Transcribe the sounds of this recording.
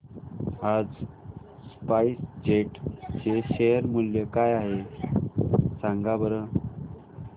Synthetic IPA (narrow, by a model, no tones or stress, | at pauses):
had͡z | spaisd͡ʑeʈt͡ɕeɕejəɾmuljəkajaɦe | saŋɡabəɾə